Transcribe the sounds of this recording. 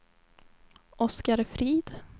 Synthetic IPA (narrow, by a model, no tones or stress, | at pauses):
ʔɔskaɾfɾiːd̪̥